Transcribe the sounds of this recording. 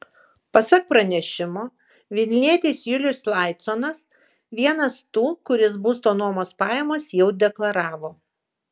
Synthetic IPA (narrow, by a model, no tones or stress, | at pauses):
pɐsɑk̚pɾɐnʲɛʃʲɪmoː | ʋʲɪlʲnʲiɛt̪ʲeːsjʊlʲʊslˠɑˑɪt̪sonɐs | ʋʲiɛnɐst̪uːkʊɾʲɪsbuːst̪oːnuɔmoːspɑːjɛmoːsjɛʊd̪ʲɛklˠɐɾɑːʋoː